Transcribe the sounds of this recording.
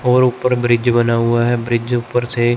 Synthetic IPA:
ɦɔːɾʊpːəɾbɾɪd͡ʒbənaːʊaɦɛbɾɪd͡ʒʊpːəɾseː

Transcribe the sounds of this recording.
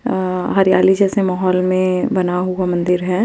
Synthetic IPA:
ɦɐɾjaːlid͡ʒɛːsemaːɦɔːlmẽbɐnaɦuamɐ̃nd̪ɪɾɦɛː

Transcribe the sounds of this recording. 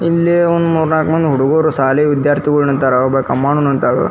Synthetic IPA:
ilːiond̪muːɾnaːkmɐnd̪ɦuɽuɡoːɾusaːleʋid̪jaːɾt̪ʰiɡɐɭunɐnt̪aːɾɐbɐkɐmːaːɳunɐnt̪aːɾɐ̰

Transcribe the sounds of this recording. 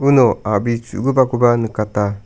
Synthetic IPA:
unoabit͡ʃṵɡubakubanɯkata

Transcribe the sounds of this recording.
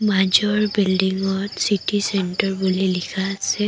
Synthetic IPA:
mad͡ʒɔɹbildiŋɔtsitisɛntɔɹbulilikʰaːsɛ

